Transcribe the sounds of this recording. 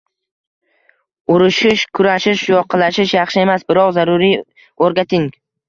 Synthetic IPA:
ʊɾɪʃɪʃkʰʊɾaʃɪʃjɒqʰɨlaʃɪʃjɑχʃɪe̞masbɪɾɒqzaɾʊɾi | oɾɡʲat̪ʰɪŋ

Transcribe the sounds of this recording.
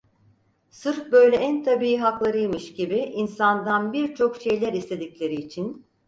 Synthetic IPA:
sɯɾfbø̞jlʲɛænt̪ʰabiiɦaklˠaɾɯjmɯʃɟibiʔinsand̪anbiɾt͡ʃʰo̞kʃe̞jlʲæɾist̪ʰe̞d̪iclʲe̞ɾiːt͡ʃʰin

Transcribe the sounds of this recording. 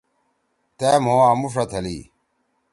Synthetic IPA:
t̪eːmoːaːmuʂɐt̪ʰɐlḭː

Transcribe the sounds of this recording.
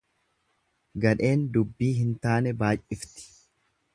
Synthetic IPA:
ɡɐᶑe̞ːnd̪ʊbːiːɦɪnt̪aːnɛbaːjʔɪft̪ɪ̥

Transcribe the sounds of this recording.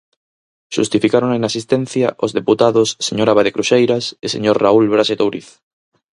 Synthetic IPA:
ʃust̪ifikaɾoŋenasist̪ɛ̃n̟θjaʔozðeput̪aðosːeɲoɾaβaðekɾuʃejɾasesḛɲoɾraulβɾaset̪owɾiθ

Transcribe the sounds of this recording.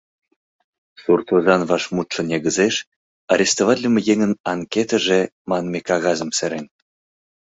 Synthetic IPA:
surt̪ozɑnvɑʃmut̪ʃɤ̆nʲeɡə̆zeʃ | ɑɾʲest̪ovɑt̪ʲlʲəmejeŋə̆nɑŋket̪əʒĕmɑnmʲekɑɣɑzɤ̆msĕɾenʲ

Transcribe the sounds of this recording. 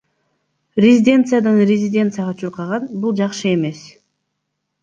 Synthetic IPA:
rʲɪzʲɪdʲe̞nt̪sɨjad̪ɯnrʲɪzʲɪdʲe̞nt̪sɨjaʁɑt͡ʃʰuɾqɑʁɑnbulˠd͡ʒɑqʃɯe̞me̞s

